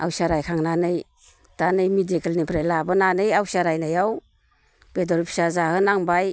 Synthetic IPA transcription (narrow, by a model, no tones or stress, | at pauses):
a̰wsaɾajkʰaŋnanɯj | d̥anɯjmidekelnipʰɾajlabɯnanɯjawsaɾajnajaw | b̥edɔɾpʰsazahɯnaŋbaj